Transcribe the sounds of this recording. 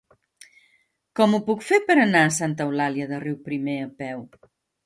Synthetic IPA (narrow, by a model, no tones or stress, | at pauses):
kɔmupukfepəɾənaəsant̪əwlaliəðəriwpɾimeəpɛw